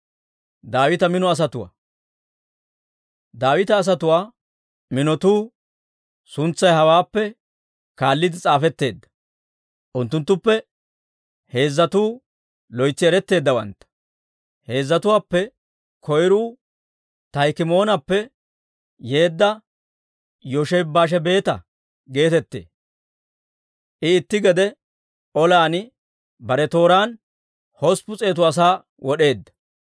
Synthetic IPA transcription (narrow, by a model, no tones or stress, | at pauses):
d̪aːwɪt̪ɐmɪnɔɐs̬ɐt̪ʊwa̰ː | d̪aːwɪt̪ɐːs̬ɐt̪ʊwaː | mɪnɔt̪uː | sʊnt͡sːɐjɦɐwaːpːɛ | kaːlːɪd̪ɪt͡sʼaːfɛt̪ːe̞ːd̪ːɐ̥ | ʔʊnt̪ːʊnt̪ːʊpːɛ | he̞ːzːɐt̪uː | lɔjt͡sːɪɛɾɛt̪ːe̞ːd̪ːɐwɐ̰nt̪ːɐ̥ | he̞ːzːɐt̪ʊwaːpːɛ | kʰɔjɾuː | t̪ɐjkɪmo̞ːnɐpːɛ | je̞ːd̪ːɐ | jɔʃɛjbːaːʃ̬ɛbe̞ːt̪ɐ̰ | ɡe̞ːt̪ɛt̪ːḛː | ʔɪːt̪ːɪɡɛd̪ɛ | ɔlaːnɪ | bɐɾɛt̪o̞ːɾaːn | hɔspʊt͡sʼe̞ːt̪ʊɐs̬aː | wɔɗe̞ːd̪ːɐ̥